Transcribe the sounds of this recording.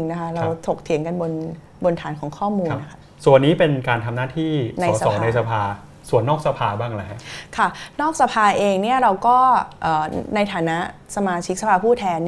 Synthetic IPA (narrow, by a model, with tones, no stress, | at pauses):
ŋna˦˥kʰa˦˥ɾa˧wt̪ʰo˨˩k̚t̪ʰi˨˩˦nŋka˧nbo˧n | bo˧nt̪ʰaː˩˦nkʰɔː˨˩˦ŋkʰɔː˥˩muː˧n˧na˦˥kʰa˦˥˩ | su˨˩ənːiː˦˥pe˧nkaː˧nt̪ʰa˧mnaː˥˩t̪ʰiː˥˩na˧ɔjːsa˧sɔː˩˦na˧jsa˧pʰaː˧ | su˨˩ənːɔː˥˩k̚sa˧pʰaː˧baː˥˩ŋlɛ˦˥kʰa˥˩nɔː˥˩k̚sa˧pʰaː˧ʔeː˧ŋni˥˩ɐɾa˧wkɔː˥˩ʔɤː˨˩na˧jt̪ʰaː˩˦na˦˥ʔsa˧maː˧t͡ɕʰi˦˥k̚sa˧pʰaː˧pʰuː˥˩t̪ʰɛː˧n